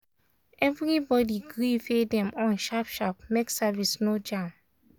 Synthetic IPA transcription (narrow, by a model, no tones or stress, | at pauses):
ʔɛvɹibɔdiɡɹifedɛ̃mɔ̃nʃapʃap̚meksavisnod͡ʒãm